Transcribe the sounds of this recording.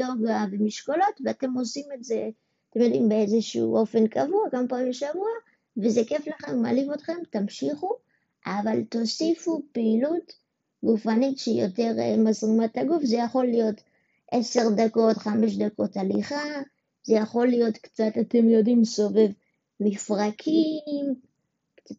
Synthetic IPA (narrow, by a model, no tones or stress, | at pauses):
joɡavemiʃkolo̞tveate̞mo̞simetze | at̪emjo̞d̪imbeezeʃuṵʔo̞fe̞nkavuakamapaːimbeʃavua | vezeke̞flaχemːa̰livo̞tχe̞mtamʃiχu | ʔavalto̞sifupeilut | ɡufanitʃeijo̞̰te̞ʁmazʁimataɡufzejaχo̞lːijo̞t | ʔe̞se̞ʁdako̞tχameʃ̬dako̞taliχa | ze̞jaχo̞lːijo̞tkt͡satate̞mjo̞dimso̞ve̞v | mifʁakʰim | kt͡sa